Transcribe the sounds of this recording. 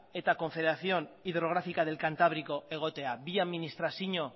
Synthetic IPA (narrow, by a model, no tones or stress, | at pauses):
e̞t̪ako̞ɱfe̞ðeɾaθjo̞niðɾo̞ɣ̞ɾafikað̞e̞lkant̪aβ̞ɾiko̞ʔe̞ɣ̞o̞t̪e̞abiaðminist̪ɾasiɲo̞